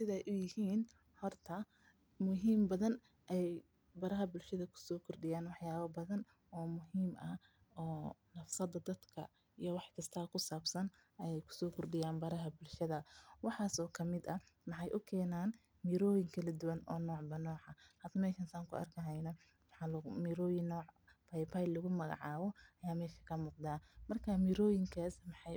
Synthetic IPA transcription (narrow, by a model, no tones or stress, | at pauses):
sɪðɛjʔʊjɪhiːn | hɔrt̪ʰɐ | mʊɦiːmbɐðɐn | ʔɛjj | bɐɾɐɦɐbʊlʃɐðɐkʰʊ̥sɔːkʰʊrɖɪjaːnwɑħjaːβɐbɐðɐn | ɔːmʊɦiːmʔɐ | ɔːnɐfsɐd̪ɐd̪ɐd̪kʰɐ̰ | ijɔwɑħkʰɐst̪ʰɐkʰʊsaːbsɐn | ɛjɛjkʰʊ̥sɔːkʰʊrɖɪjaːnbɐɾɐɦɐbʊlʃɐðɐwɑħɑːsɔːkʰɐmɪd̪ɐmɑħɑjʔʊkʰɛːnaːn | miːɾɔːjɪŋkʰɐlɐd̪ʊwɐnɔ̰ːnɔːʕbɐnɔːʕɐhɐd̪ɐmɛːʃɐnsaːŋkʰʊ̰ɐ̰rkʰɐɦɛjnɐ | wɑħɑlɐmiːɾɔːjɪnːɔːʕ | pʰajpʰajlɐɣʊmɐɣɑ̰ʕɑːβɔʔɐjaːmɛːʃɐ̥kʰɐmuːqd̪aːmɐrkʰamiːɾɔːjɪŋkʰaːsmɑħɑj